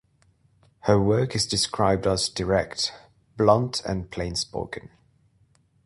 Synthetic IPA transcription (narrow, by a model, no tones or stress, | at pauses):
həwɜˑkɪzdɪskʰɹaɪb̚dəzdəɹɛkt | b̥lʌ̃ntʰə̰̃npʰl̥ẽɪ̃nspə̰ʊkə̃n